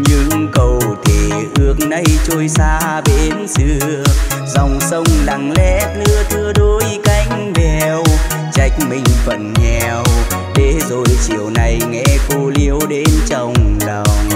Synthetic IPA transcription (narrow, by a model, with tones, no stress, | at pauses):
ɲɨ˧˥ŋkə˨˧˩wt̪ʰe˨ʔɨ˧ək̚nə˧jt͡ɕo˧jsaː˧ɓe˧˦nsɨ˧əə | zɔ˨˩wŋ͡msə˧wŋ͡mla˨˩ŋlɛ̰˧˥t̪ɨ˧ət̪ʰɨ˧əɗo˧˦jka˧˩jŋ̟vɛ˨w | t͡ɕa˧˦jk̟̚mï˨˩ŋ̟fə̰˧˨nɲɛ˧˨˩w | ɗe˨˦zo˨˩jt͡ɕḭ˧˨əwna˨˩jŋɛ̰˧˥ko˧li˧˦əwɗe˨˦nt͡ɕɔ˧wŋ͡mlə˨˩wŋ͡m